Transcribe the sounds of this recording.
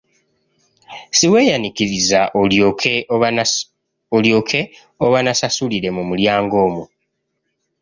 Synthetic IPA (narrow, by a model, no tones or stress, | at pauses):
siwe̞ːjanikiɾizaʔojokʰe | oljoːkʰe | oβanasasuliɾe̞mumuljaːŋɡo̞ːmu